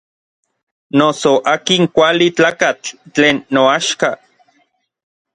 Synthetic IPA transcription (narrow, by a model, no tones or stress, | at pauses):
nosoʔaːkiŋkʷalit͡ɬaːkat͡ɬːeːnːoaʃka